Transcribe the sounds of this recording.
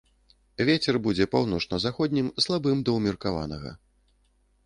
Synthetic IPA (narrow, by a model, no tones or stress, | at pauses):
vʲet͡sʲɛrbud͡zʲɛpawnɔt͡ʂnɐzaxɔd̪ʲnʲimslˠabɨmd̪ɐwmʲirkava̰nɐ̰ɣɐ̰